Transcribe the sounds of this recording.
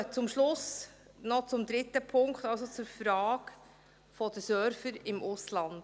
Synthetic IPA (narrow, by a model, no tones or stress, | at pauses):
t͡sʊmʃlʊs | nɔt͡sʊmd̪ɾɪtəpʰʊŋktɑls̬ot͡suɾfɾɑːɡ̥ | fɔd̥əsœɾfəɾɪmʔʊslɑnd̥